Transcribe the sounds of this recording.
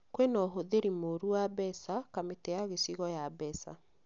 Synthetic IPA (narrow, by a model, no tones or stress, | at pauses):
kwenɔɦoðeɾimoɾuwabɛsakametɛjaɣesiɣɔjabɛsa̰